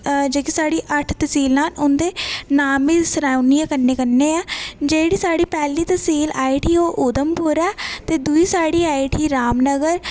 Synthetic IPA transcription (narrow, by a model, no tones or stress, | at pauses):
d͡ʒeːkisaːɽiːʔəʈʰt̪əsiːlnaːlʊnd̪eːnaːmiːsəɾaːunijãːkənːeːkənːeːɛːd͡ʒeːɽiːsaːɽiːpɛːliːt̪əsiːlaːiʈiːoːʔʊd̪əmpʊɾɛːt̪eːd̪uiːsaːɽiːaːiʈiːɾaːmnəɡəɾ